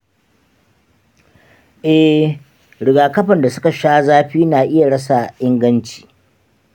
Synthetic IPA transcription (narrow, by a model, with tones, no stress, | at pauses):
ʔɛ˦h | ɽɪ˨ɡaː˨kɐ˦ɸɐ˨nda˨sʊ˦ka˨ʃaː˦zaː˦ɸiː˦naː˨ʔɪ˦ja˨ɽɐ˦s̬a˨ʔɪ˦ŋɡɐ˦nt͡ʃi̥ː˨